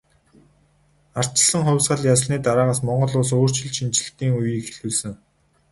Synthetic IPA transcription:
ar̥t͡ɕɪ̆ɮə̆ŋχʊ̟wʲsɢə̆ɮjasɮniːt̪aɾaːʁaːsmɔɴɢɞ̆ɮʊːsoːr̥t͡ɕɪ̆ɮʃint͡ɕɪ̆ɬt̪iːŋujiːkxeɮuːsɘ̆ŋ

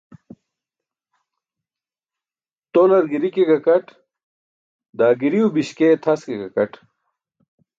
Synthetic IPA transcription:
t̪olɐɾɡiɾikekɐkɐʈ | d̪aːɡiɾiubiɕket̪ʰɐskekɐkɐʈ

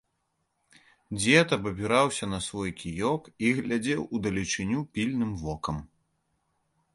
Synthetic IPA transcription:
d͡zʲɛt̪ɐpɐbʲiɾawsʲɐnɐsvɔjkʲʰijɔkiɣlʲad͡zʲɛwud̪ɐlʲit͡ʂɨnʲupʲilʲnɨmvɔkɐm

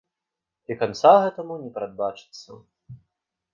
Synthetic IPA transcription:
ikant̪saɣɛt̪ɐmunʲɛpɾad̪̚bat͡ʂɨ̥t̪sːɐ̰

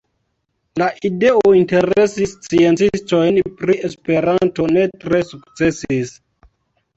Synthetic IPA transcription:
laʔide̞ointe̞ɾe̞sist͡sie̞nt͡sisto̞jnpɾie̞spe̞ɾanto̞ne̞tɾe̞sukt͡se̞sis

